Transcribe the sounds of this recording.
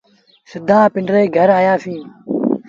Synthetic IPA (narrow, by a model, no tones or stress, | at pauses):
sɪd̪ʱãːpɪɳɖɾeːɡʱəɾaːjaːfĩː